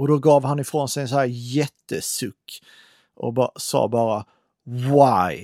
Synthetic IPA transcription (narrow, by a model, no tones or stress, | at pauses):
ɔd̪ɔɡɑːvhanɪfɾoːnsɛjɛns̬ɔæːɾjɛt̪ːəsɵkː | ʔɔ̰bsɑ̰ːbɑːɾa | waɪ